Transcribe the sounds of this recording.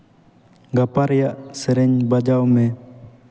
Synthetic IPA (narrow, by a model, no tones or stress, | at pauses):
ɡapaɾɛjaʔsɛɾɛɲbad͡ʒawmɛ